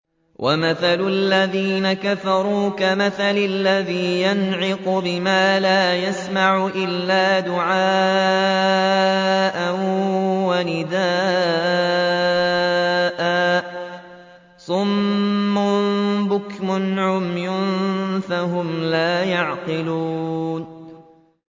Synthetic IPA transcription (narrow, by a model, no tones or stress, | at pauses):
wʔamaθalʊlːaðiːnakafɑɾˤuːkamaθalalːaðiːjanʕɪqʊbɪmaːlaːjasmaʕʔɪlːaːd̪ʊʕaː | ʔanwanɪd̪aː | ʔaː | sˤʊmːʊbʊkmʊnʕʊmjʊnfahʊmlaːjɑʕqɪluːn